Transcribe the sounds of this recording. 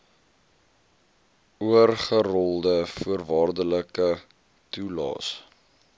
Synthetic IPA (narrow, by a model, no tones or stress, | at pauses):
uərχərɔlˠdəfuərvɑːrdələkə | tulɑ̰ːs